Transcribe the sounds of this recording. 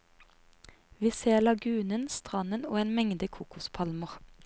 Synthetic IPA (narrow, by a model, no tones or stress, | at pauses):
ʋiːseːlɑɡʉːnənst̪ʁɑnənoːeːnmɛŋd̪əkʰuːkʊspʰɑlməʁ